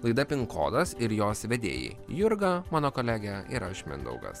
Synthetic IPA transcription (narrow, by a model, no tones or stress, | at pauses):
lˠɐɪd̪ɐpʲɪŋko̰ːd̪ɐsɪɾjoːsʋʲɛd̪ʲḛːjḭ | jʊɾɡɐmɑːnoːkoːlʲæːɡʲɛɪɾɐʃʲmʲɪ̰nd̪ɐ̰ʊɡɐ̰s